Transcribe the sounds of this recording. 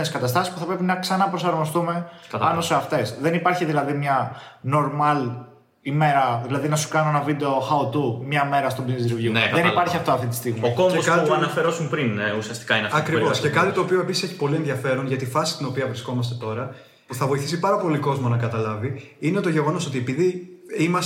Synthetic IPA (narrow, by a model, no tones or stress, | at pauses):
neskɐt̪ɐst̪ɐsispu̥θɐpɾepinɐksɐnɐpɾo̞sɐɾmo̞st̪ume̞ɐpɐno̞seɐft̪e̞sðe̞nipɐɾçiðilɐðimɲɐ | no̞ɾmɐl | ime̞ɾɐðilɐðinɐsu̥kɐnoenɐvid̪e̞oxɐot̪umɲɐme̞ɾɐst̪obinzɾivjuðenipɐɾçiɐft̪oɐft̪int̪ist̪iɣmokombeoskɐɐnɐfeɾo̞sumpɾinusiɐst̪i̥kɐineɐfɐkɾivoscekɐt̪it̪oːpioe̞pisiseçi̥po̞lienðjɐfe̞ɾunʝɐt̪ifɐsi̥st̪ino̞piɐvɾisko̞mɐst̪e̞t̪o̞ɾɐ | puθɐvo̞iθisipɐɾɐpo̞liko̞zmonɐkɐt̪ɐlɐviineot̪oʝe̞ɣo̞no̞so̞t̪ie̞piðiimɐs